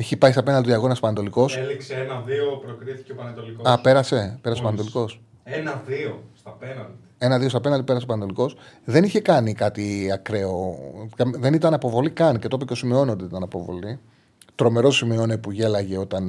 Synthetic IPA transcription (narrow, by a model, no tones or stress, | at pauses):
eçipɐçst̪ɐpe̞nɐnld̪d̪ɐɣo̞nɐsopɐnet̪o̞liko̞selikseenɐðiopɾokɾiθi̥ceopɐnet̪olikoɐpe̞ɾɐse̞pe̞ɾɐsepɐnt̪o̞liko̞s | enɐðiost̪ɐpenɐnd̪ie̞nɐðiost̪ɐpe̞nɐld̪ipeɐsopɐnet̪o̞liko̞sðe̞niçe̞kɐnikɐt̪iɐkɾe̞okɐmðe̞nit̪ɐnɐpo̞vo̞likɐnce̞t̪o̞piosimio̞ntd̪eit̪ɐnɐpo̞vo̞̰li | t̪ɾo̞me̞ɾo̞simio̞nepuʝe̞lɐʝe̞o̞t̪ɐn